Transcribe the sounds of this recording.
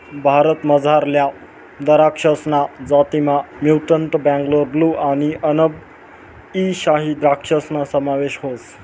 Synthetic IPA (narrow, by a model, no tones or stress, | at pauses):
bʱaɾət̪məd͡zʱaɾlja | d̪əɾakʂəsnad͡zat̪imamjuwʈəɳʈbæ̃ŋɡloɾbluʔañiʔənəb̚ | iɕaɦid̪ɾakʂəsnasəmaʋeɕɦos